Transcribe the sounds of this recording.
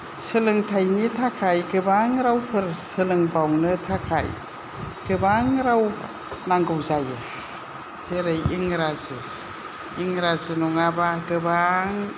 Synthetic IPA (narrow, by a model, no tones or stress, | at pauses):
sɯlɯŋtʰajnitʰakʰajɡɯbaŋɾawpʰɯɾsɯlɯŋbawnɯtʰakʰa̰j | ɡ̥ɯbaŋɾaw | naŋɡɯwzajɯ | z̥eɾɯjiŋɾazɯ | iŋɾazɯnɔŋabaɡɯbaŋ